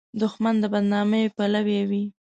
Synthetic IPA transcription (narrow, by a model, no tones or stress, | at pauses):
d̪ʊxmand̪əbad̪nɑməjpalawewi